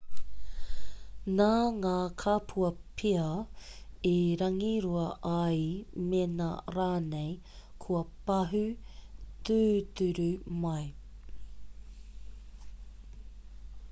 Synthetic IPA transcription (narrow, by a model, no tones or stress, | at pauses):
naŋaːkʰaːpʰuɐpʰiɐ | iɾɐŋiɾuɐʔɐimena̰ɾaːnej | kʰuɐpɐɦʉ | t̪ʉːt̪ʉɾʉmɐj